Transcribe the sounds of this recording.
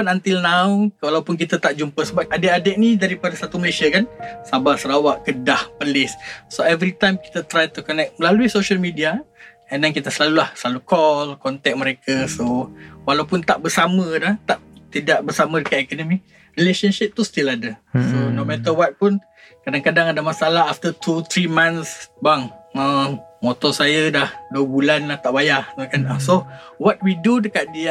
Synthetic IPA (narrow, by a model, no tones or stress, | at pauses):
anant̪ilnaukəwalawpʊnk̬it̪at̪aʔd͡ʒumpəsəbaadeʔadɛʔ̚nidaɾipadasat̪uməlasiakansabaʔsəɾawaʔkədahpəlɪssoɛvɾit̪ajmki̥t̪at̪ɾajt̪ukɔnɛk̚məlaluihsoʃəlmidia | əndɛnkit̪əsəlalulahsəlalukɔlkɔnt̪ɛk̚məɾekasowalawpʊnt̪aʔbərsamə̃laht̪aʔt̪idaʔ̚bərsamə̃dəkat̪̚ikɔnɔ̃mi | rileʃənʃɪp̚t̪ust̪iladəsonomɛt̪əwat̪̚pʊn | kadaŋkadaŋadamasaalaɦaft̪ət̪ut̪ɾimãnsbaŋəmɔt̪ɔsajadahduəbulanlaht̪aʔbajaht̪okanasowɔt̪̚widudəkaʔ̪̚di